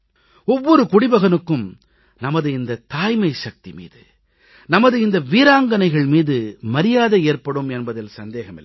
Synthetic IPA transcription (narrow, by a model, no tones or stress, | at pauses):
ɔʋːɔɾɯkʊɽɪbɐɣɐnɯkːɯm | nɐmɐðɯɪnd̪ɐt̪aːjmɐɪʂɐk̚t̪imḭːðɯ | nɐmɐðɯɪnd̪ɐʋiːɾaːŋɡɐnɐɪɣɐɭmiːðɯmɐɾɪjaːðɐeːrpɐɽɯmɛnbɐðɪlsɐnd̪eːɣɐmɪlː